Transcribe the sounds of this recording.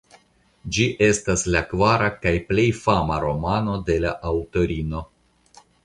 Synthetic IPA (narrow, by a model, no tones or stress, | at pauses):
d͡ʒiʔe̞staslakvaɾakajple̞jfama̰ɾo̞mano̞de̞laʔawto̞ɾino̞